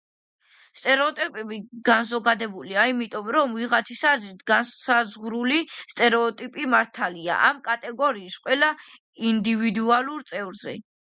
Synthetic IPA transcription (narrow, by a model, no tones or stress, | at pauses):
st̪ʼɛɾɛɔt̪ʼipʼɛbiɡanzɔɡad̪ɛbuliaimit̪ʼɔmɾɔmviʁat̪sʰisazɾit̪ʰɡansazʁɾulist̪ʼɛɾɛɔt̪ʼipʼimaɾt̪ʰalia̰ʔamkʼat̪ʼɛɡɔɾiːsqʼwɛla | ind̪ivid̪ualˠuɾt̪sʼɛvɾzɛ̰